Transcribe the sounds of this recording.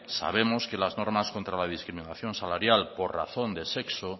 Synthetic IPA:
sa̰βe̞mo̞ske̞lazno̞ɾmasko̞nt̪ɾalað̞iskɾiminaθjo̞nsalaɾjalpo̞ɾra̰θo̞nd̪e̞se̞kso

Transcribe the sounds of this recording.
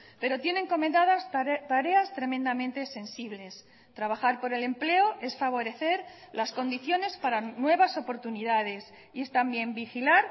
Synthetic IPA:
pe̞ɾo̞t̪je̞ne̞ŋko̞mẽnd̪aðast̪aɾe̞ast̪ɾe̞mend̪amẽnt̪e̞se̞nsiβ̞le̞s | t̪ɾaβ̞axaɾpo̞ɾe̞le̞mple̞oʔe̞sfaβ̞o̞ɾe̞θe̞ɾ | lasko̞nd̪iθjo̞ne̞spaɾanwe̞βaso̞po̞ɾt̪uniðaðe̞s | ie̞st̪ambje̞mbixilaɾ

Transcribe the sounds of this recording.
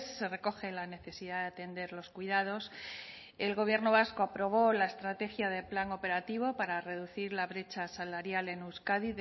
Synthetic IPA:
sːere̞ko̞xe̞lane̞θe̞sið̞aðeat̪e̞nd̪e̞ɾlo̞skwiðað̞o̞s | e̞lɣo̞β̞je̞ɾno̞β̞asko̞apɾo̞β̞o̞laest̪ɾat̪e̞xjað̞e̞plaŋo̞pe̞ɾat̪iβ̞o̞paɾare̞ðuθiɾlaβɾe̞t͡ʃasalaɾjale̞newskaði

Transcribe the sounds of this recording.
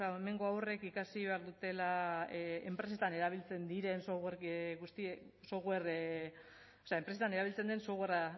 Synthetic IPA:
aeme̞ŋɡo̞awre̞kikasiβe̞aɾðut̪e̞la | empɾe̞se̞t̪ane̞ɾaβ̞ilt͡se̞nd̪iɾe̞nsoɣweɾɡust̪iso̞ɣwer | oseaempɾeet̪ane̞ɾaβilt͡se̞nd̪e̞nsoɣera

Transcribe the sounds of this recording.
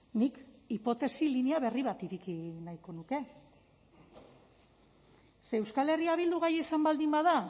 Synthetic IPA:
nikipo̞t̪e̞siliniaβe̞riβat̪iɾikinajko̞nuke̞ | seːwskale̞riaβild̪uɣajesambald̪imbaða

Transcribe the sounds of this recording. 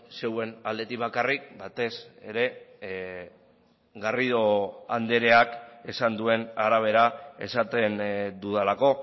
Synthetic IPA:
se̞we̞nald̪e̞t̪ikbakarik̚bat̪e̞seɾe̞ | ɣariðo̞and̪e̞ɾe̞ake̞sand̪ue̞naɾaβ̞e̞ɾae̞̰sat̪e̞nd̪uðelako̞

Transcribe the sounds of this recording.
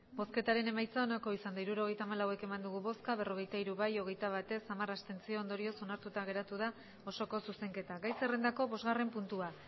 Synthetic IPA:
bo̞ske̞t̪aɾe̞ne̞majt͡saonako̞isand̪aiɾuɾo̞ɣ̞e̞jt̪aːmalawe̞ke̞mand̪uɣ̞uβo̞skaβ̞e̞ro̞ɣ̞e̞jt̪aiɾuβajo̞ɣ̞e̞jt̪aβ̞at̪e̞samarast̪e̞nt͡sioːnd̪o̞ɾio̞so̞naɾt̪ut̪aɣ̞e̞ɾat̪uð̞a | o̞so̞ko̞suse̞ŋke̞t̪aɡajse̞re̞nd̪ako̞βo̞zɣare̞mpunt̪ua

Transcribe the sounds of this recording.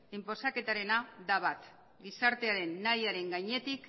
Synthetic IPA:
impo̞sake̞t̪aɾe̞nad̪aβat̪ | ɡisaɾt̪e̞aɾe̞nːajaɾe̞ŋɡajɲe̞t̪ik

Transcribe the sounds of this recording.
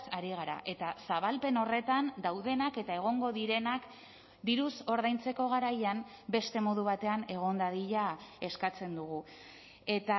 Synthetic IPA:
saɾiɣ̞aɾa̰ʔe̞t̪asaβ̞alpe̞no̞re̞t̪and̪awðe̞nake̞t̪ae̞ɣ̞o̞ŋɡo̞ðiɾe̞nak | d̪iɾuso̞ɾðajnt͡se̞ko̞ɣ̞aɾajam | be̞st̪e̞mo̞ðuβat̪e̞ane̞ɣ̞o̞nd̪aðiʎae̞skat͡se̞nd̪uɣu | e̞t̪a

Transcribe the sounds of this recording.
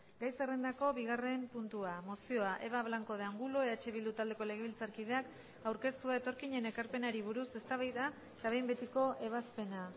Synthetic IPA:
ɡajserend̪ako̞βiɣ̞are̞mpunt̪uamo̞sio̞aʔe̞βaβlaŋko̞ð̞eaŋɡuloeat͡ʃe̞βild̪ut̪ald̪e̞ko̞le̞ɣe̞βilt͡saɾkið̞e̞ak | awɾke̞st̪uaet̪o̞ɾkiɲe̞ne̞kaɾpe̞naɾiβ̞uɾuse̞st̪aβajða | et̪aβejmbe̞t̪iko̞ʔe̞β̞aspe̞na

